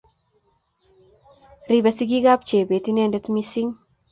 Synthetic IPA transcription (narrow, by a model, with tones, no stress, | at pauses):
ri˨ba˨si˦ɡi˦ɡa˦p̚t͡ʃe˨be˨ti˦ne˦nde˦t̪mi˦si˦ŋ